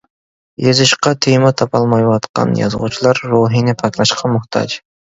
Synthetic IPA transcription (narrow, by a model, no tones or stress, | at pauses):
jezɪʃqɑt̪ʰemɑt̪ʰɑpʰɑlˠmɑjwɑt̪qɑ̰njɑ̰zʁṵt͡ʃʰilˠɑɾːoɦinɪpʰɑkʲlˠɑʃqʰɑmʊht̪ʰɑ̰d͡ʒ